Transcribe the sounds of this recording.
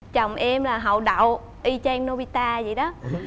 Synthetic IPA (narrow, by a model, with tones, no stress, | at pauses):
t͡ɕə˨˩wŋ͡mʔɛ˧mlaː˨˩ɦə̰˨˩wɗə̰˧˨w | ʔi˧t͡ɕɛː˧ŋno˧ɓi˧t̪aː˧zi˨˩jɗɔ˨˦